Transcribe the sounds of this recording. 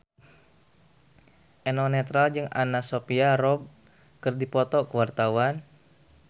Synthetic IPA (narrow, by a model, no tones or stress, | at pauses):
ʔɛnɔnɛt̪ɾald͡ʒɨŋa̰nasopiarɔb̚ | kɨrdipɔt̪ɔkəwart̪awan